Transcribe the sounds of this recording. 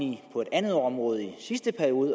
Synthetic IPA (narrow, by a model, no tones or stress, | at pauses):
nipʰɒ̽e̝d̥ænð̞̩ˠɒ̽mʁɔ̽ːð̞̩ˠisisd̥əpʰæɐio̝ːðˠ